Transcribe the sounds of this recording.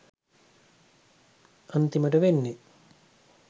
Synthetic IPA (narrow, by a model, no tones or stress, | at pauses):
ɐnt̪iməʈəʋenːe